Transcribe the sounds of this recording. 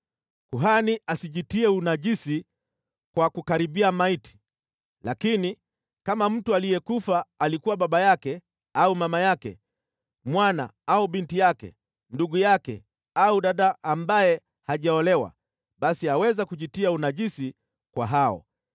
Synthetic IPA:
kuɦaniʔasiʄitiɛunaʄisi | kwakukaɾiɓiamaiti̥ | lakini | kamam̩tualijɛkufaːlikuwaɓaɓajakɛ | aumamajakɛ̰ | mwana̰auɓintijakɛ̰ | nduɠujakɛ̰ | auɗaɗaːmbajɛ | haʄaɔlɛwa̰ | ɓasiawɛzakuʄitiaunaʄisi | kwaɦaɔ̰

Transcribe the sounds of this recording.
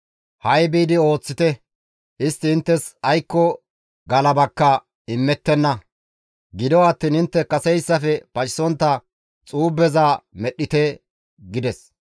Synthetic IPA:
hɐjbiːd̪ɪo̞ːt͡sːɪt̪ɛ | ɪst̪ːɪɪnt̪ːɛsɐjkːɔ | ɡɐlɐbɐkːɐ | ɪmːɛt̪ːɛnːɐ | ɡɪd̪ɔwɐt̪ːiːnɪnt̪ːɛkɐsɛjsːɐfɛpɐt͡ʃʼɪ̥sɔnt̪ːɐ | t͡sʼuːbːɛzaːmɛɗːɪt̪ɛ | ɡɪd̪ɛs

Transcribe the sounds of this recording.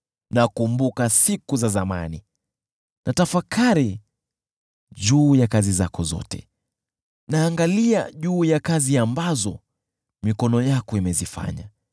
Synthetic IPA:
nakumbukasikuzazama̰ni | nʔatafakaɾi | ʄuːjakazizakɔzɔ̰tɛ̰ | naːŋɡalia̰ʄuːjakaziambazɔ | mikɔnɔjakɔimɛzifa̰ɲa

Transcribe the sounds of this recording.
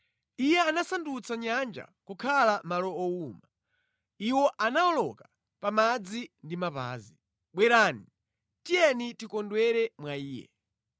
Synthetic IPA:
ijɛanasandut͡saɲand͡ʒa̰kukʰalamalɔɔuːma | iwɔʔanaɔlɔka | pamad͡zindimapa̰ːzi | ɓwɛɾaːni | tijɛnitikɔndwɛɾɛmwaiːjɛ̰

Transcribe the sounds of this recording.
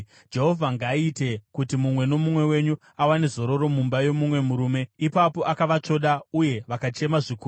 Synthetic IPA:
d͡ʒe̞ɦo̞vʱaŋɡaite̞kutimumwe̞no̞mumwe̞we̞ɲu | awanezo̞ɾo̞ɾo̞mumbajo̞mumwe̞muɾuːme̞ipapo̞ʔakaʋat͡ʂo̞ɗauje̞ʋakat͡ʃe̞maʐikuː

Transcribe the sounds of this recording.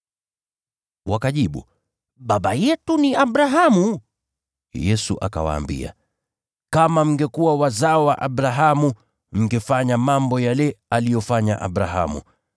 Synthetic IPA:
wakaʄiɓu | ɓaɓajɛtuniaɓɾaɦamu | jɛsṵʔa̰ka̰wa̰ːmbḭa̰ | kamam̩ɡɛkuwawazaɔwaʔaɓɾaɦamu | m̩ɡɛfaɲamambɔjalɛalijɔfaɲa̰ʔa̰ɓɾaɦa̰mṵ

